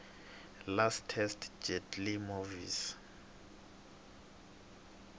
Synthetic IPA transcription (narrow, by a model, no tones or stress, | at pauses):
lastʰɛstʰd͡ʒɛdlimovḭs